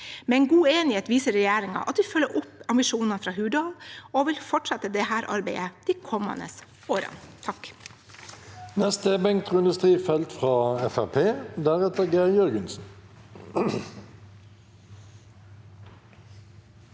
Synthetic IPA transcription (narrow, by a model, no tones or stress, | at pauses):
mɛɛnɡuːeːnɪheːt̪ʋiːsəɾːɛjæːɾɪŋɑ̰ʔɑ̰t̪ʋɪfœlːəɾʔʊpɑmbɪʃuːnɑnfɾɑːɦʉːɖɑːlɔʋɪlfɔʈʂɑt̪əd̪ɛɦæːɾʔɑ̰ɾbɛɪəd̪̥iːkʰɔmːɑ̰nə̰s | oːɾə̰nt̪ʰɑk | nɛst̪ɛbɛŋt̪ʰʁʊɪnd̪əst̪ʁiːfɛlt̪fʁɑːɛfæʁpʰeːd̪æʁɛt̪ɑɡeːʁjœɾɡnsn̩